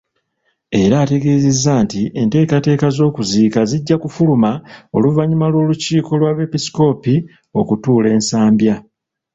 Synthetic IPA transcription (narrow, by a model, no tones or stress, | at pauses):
e̞ɾaːte̞ɡe̞ːzezːaːntiʔe̞nte̞ːkate̞ːkazo̞ːkuziːkaziɟːakufulumao̞̰luvaɲumalwo̞ːluciːko̞lwaβe̞pisi̥ko̞ːpi | o̞kutuːle̞ːnsaːmbja